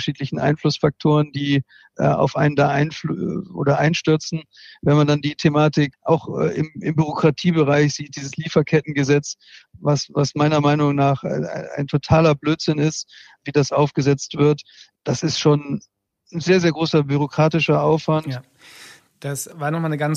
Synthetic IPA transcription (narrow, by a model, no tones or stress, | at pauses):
ʔəʃiːtlɪçn̩ʔa̰ɪnflʊsfak̚tʰoːʁ̞əndiː | ʔɛ̰ʔa̰ʊfʔa̰ɪnəndaːʔaɪnfʔo̰ːdɐʔaɪnʃtʏɐt͡sn̩ | vɛnmandandiːtʰemaːtɪkʔa̰ʊxɛ̰ʔɪ̰mɪmbyʁ̞okʁ̥atʰiːbəʁaɪçz̥iːt̚d̥iːzəsliːfɐkʰɛt̚n̩ɡəzɛt͡s | vasvasmaɪnɐmaɪnʊŋnaːχa̰a̰ɪntʰotʰaːlɐbløːtz̥ɪnɪst | viːdasʔaʊfɡ̥əzɛt͡stv̥ɪɐt | d̥asɪstʃoːn | n̩zeːɐzeːɐɡʁoːsɐbyʁ̞okʁ̥aːtɪʃɐʔaʊfv̥ant | d̥asvaːnɔχmaːnəɡan